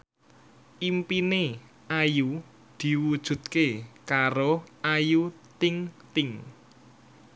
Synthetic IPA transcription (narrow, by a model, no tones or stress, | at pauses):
ʔimpine | aju | d̪̥i̤wud̥ʒ̥ṳt̪̚kekaɾoajut̪ɪŋt̪ɪŋ